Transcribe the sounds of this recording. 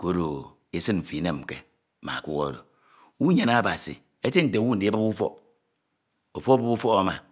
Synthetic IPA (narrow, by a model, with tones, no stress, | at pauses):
ko˦ɾo˨ | e˦sɨ˦nm̩˨fi˨˦ne˨m̩˨kḛ˨ | ma̰˨a˨kʷu˦ɣo̰˦˨ɾo̰˨ | wu˦ɲe˨na˦˨ba˨sḭ˨ | e˦ti˦n̩˨te˨˦wu˦n̩˨e˨˦ba˦bu˦fɔ̰˦ | o˨fo˦ba˦bu˦fɔ˦ɣa˦ma˨